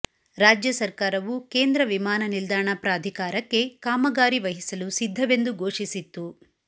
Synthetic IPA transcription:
ɾaːd͡ʒjɐsɐɾkaːɾɐʋuke̞ːnd̪ɾɐʋimaːnɐnild̪aːɳɐpɾaːd̪ʱikaːɾɐkːe̞kaːmɐɡaːɾiʋɐɦisɐlusid̪ʱːɐʋe̞nd̪uɡʱo̞ːʂisit̪ːu

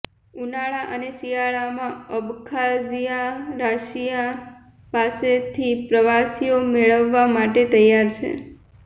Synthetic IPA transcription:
unaɭaʔənesijaɭamãəbkʰazijaɾaʃija | paset̪ʰipɾəʋasijomeɭəʋːamaʈet̪əjaɾt͡ʃʰḛ

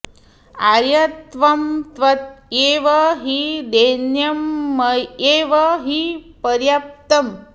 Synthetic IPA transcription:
aɾjɐt̪ʋɐmt̪ʋɐt̪̚jeːʋɐɦid̪enjɐmːɐjeːʋɐɦipɐɾjap̚t̪ɐm

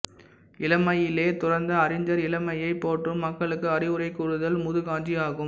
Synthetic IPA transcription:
ɪlɐmɐjɪleːt̪ʊɽɐɾnd̪ɐːɾɪɲd͡ʒɐɾɪlɐmɐjɐɪpːoːʈːrɯmːɐkːɐɭɯkːɯɐɾɪʋɯɾɐɪkːʊɻɯðɐlmʊðɯɣaːɲd͡ʒiaːɣɯm

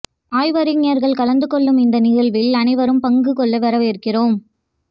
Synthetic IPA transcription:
aːjʋɐɾɪŋeːɾɣɐɭkɐlɐnd̪ɯkɔɭːɯmɪnd̪ɐnɪɣɐɭʋɪlɐnɐɪʋɐɾɯmpɐŋɡɯkɔɭːɐʋɐɾɐʋeːɾkɪroːm

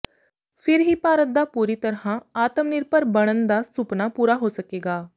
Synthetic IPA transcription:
pʰɪɾɦiːpaːɾət̪̚d̪aːpuːɾiːt̪əɾɦãːaːt̪əmnɪɾpəɾbəɽ̃ənd̪aːsʊpnaːpuːɾaːɦoːsəkeːɡaː

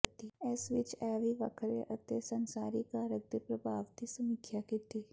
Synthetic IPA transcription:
t̪iɛsʋɪt͡ʃɛːʋiʋɐkʰɾeʔɐt̪esɐnsaːɾikaːɾək̚d̪ipɾɐbʱaːʋt̪isɐmikʰjakɪt̪ʰiː

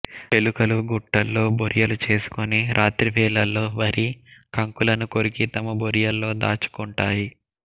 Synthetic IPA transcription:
pe̞lukɐluɡuʈːɐlːo̞ːboɾijɐlut͡ʃe̞ːsu̥kuniɾʔaːt̪ɾipɛːlɐlːo̞ːʋɐɾikɐŋkulɐnukoɾikit̪ɐmɐboɾijɐlːo̞ːd̪a̰ːt͡ʃu̥kuɳʈaːji

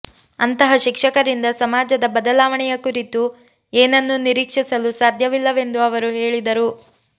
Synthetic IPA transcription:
ɐnt̪ɐɦɐʃikʂɐkɐɾind̪ɐsɐmaːd͡ʒɐd̪ɐbɐd̪ɐlaːʋɐɳɛjɐkuɾit̪u | eːnɐnːuniɾiːkʂisɐlusaːd̪ʱjɐʋilːɐʋe̞nd̪uɐʋɐɾuɦeːɭid̪ɐɾu

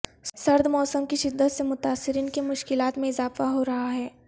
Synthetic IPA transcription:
sɐɾd̪ʱmɔːsəmkiʃɪd̪ːət̪semʊt̪aːsːɪɾiːnkemʊʃkɪlaːt̪mẽɪzaːfaɦoɾɐɦaɦɛː

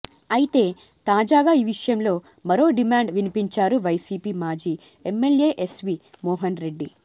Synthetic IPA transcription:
ɐjit̪e̞ː | t̪aːd͡ʒaːɡaːiːʋiʂɐjɐmlo̞ː | mɐɾo̞ːɖimaːɳɖʋinipiɲt͡ʃaːɾuʋɐjsiːpiːmaːd͡ʒiː | emːe̞lje̞ːʔesʋiːmɔːɦɐnɾe̞ɖːi

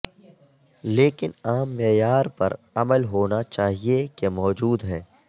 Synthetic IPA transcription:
leːkɪnaːmːeːjaːɾpɐ̰ɾ | ɐməlɦoːnat͡ʃaːɦiekemɔːd͡ʒuːd̪ɦɛ̃ː

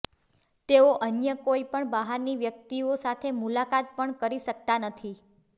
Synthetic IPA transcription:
t̪eoʔənjəkoipəɳbaɦaɾniʋjək̚t̪iosat̪ʰemulakat̪̚pəɳkəɾiʃək̚t̪anət̪ʰi

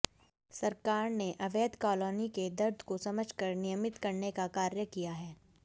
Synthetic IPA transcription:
sɐɾkaːɾneʔɐʋeːd̪kɔːloːniked̪ɐɾd̪ʱkosɐməd͡ʒʱkɐɾnijəmɪt̪kɐɾnekakaːɾjəkijaɦɛː

